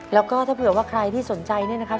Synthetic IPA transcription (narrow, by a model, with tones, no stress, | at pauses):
lɛː˦˥wkɔː˥˩t̪ʰaː˥˩pːt̚waː˥˩kʰɾa˧jt̪ʰiː˥˩so˩˦nt͡ɕa˧jni˥˩na˦˥kʰa˦˥